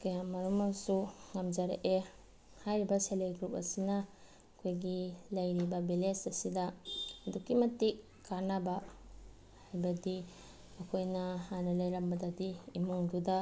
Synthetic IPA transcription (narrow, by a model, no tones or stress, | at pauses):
kɐjamɐɾumasuŋamd͡ʒaɾa̰ʔe | hajɾibaseleɡɾup̚ɐ̰sina | kʰojɡilɐjɾibabilesɐsidaːdukimɐtik | kʰːanaba | hajbɐdi | ɐkʰojnɐhanɐlɐjɾɐmbɐdadiːmuŋduda